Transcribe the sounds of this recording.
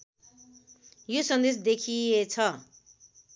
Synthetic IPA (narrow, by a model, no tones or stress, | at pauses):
josʌnd̪esd̪ekʰiet͡sʰʌ